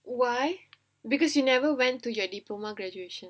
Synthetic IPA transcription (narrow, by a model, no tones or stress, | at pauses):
waj | bikɔsjunɛvəwɛ̃ntːujɔdiplomaɡɹɛd͡ʒueʃə̃n